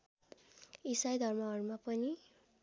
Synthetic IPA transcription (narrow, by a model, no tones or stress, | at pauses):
isajd̪ʱʌrmaʌɾmapʌni